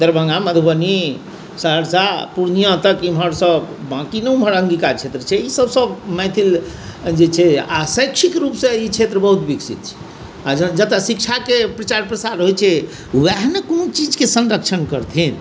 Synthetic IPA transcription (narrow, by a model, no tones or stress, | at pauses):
d̪əɾbʱə̃ŋɡaməd̪ʱubəni | səɦəɾsapuɾnijə̃t̪əkimɦəɾsəbbãkineimɦəɾəŋɡikat͡ʃʰet̪ɾət͡ʃʰɛisəbsəbmɛ̃t̪ʰil | d͡ʒet͡ʃʰɛa̰sə̃jkt͡ʃʰikɾupsə̃it͡ʃʰet̪ɾəbəɦut̪biksit̪̚t͡ʃʰɛ̥ | ad͡ʒəd͡ʒət̪əsikt͡ʃʰakepɾət͡ʃaɾpɾəsaɾɦojt͡ʃʰɛ | wɛɦnekonot͡ʃid͡ʒkesənɾəkt͡ʃʰənkəɾt̪ʰin